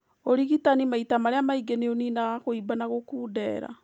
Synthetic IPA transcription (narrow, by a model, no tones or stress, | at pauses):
oɾiɣitanimaitamaɾeamaiɡeneoninaɣoibanaɣokuːdɛːɾa̰